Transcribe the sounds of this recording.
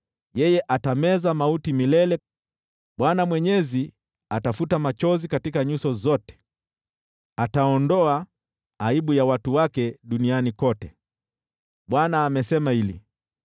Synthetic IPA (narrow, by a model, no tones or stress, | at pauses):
jɛjɛʔatamɛzamautimilɛlɛ | ɓwanamwɛɲɛzi | atafutamat͡ʃɔzikatikaɲusɔzɔtɛ̥ | ataɔndɔa | aiɓujawatuwakɛɗunianikɔtɛ | ɓwanaːmɛsɛmahilḭ